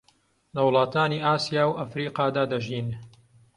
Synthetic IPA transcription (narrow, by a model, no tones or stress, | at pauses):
lɐwlˠɑːt̪aːniːʔaːsijaːwʔɐfɾiːqɑːd̪aːd̪ɐʒiːn